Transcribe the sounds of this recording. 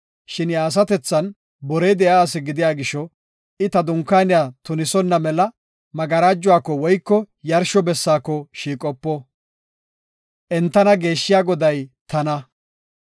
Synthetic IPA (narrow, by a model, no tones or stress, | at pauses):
ʃɪnjaːs̬ɐt̪ɛt͡sːɐn | bɔɾɛjd̪ɛjaːsɪɡɪd̪ɪjaːɡɪʃɔ | ɪt̪ɐd̪ʊŋkːaːnɪjat̪ʊnɪsɔnːɐmɛlɐ | mɐɡɐɾaːd͡ʒːʊwaːkːɔwɔjkːɔ | jɐɾʃɔbɛsːaːkːɔʃiːkʼɔpːɔ | ʔɛnt̪ːɐnɐɡe̞ːʃːɪjaːɡɔd̪ɐjt̪ɐnɐ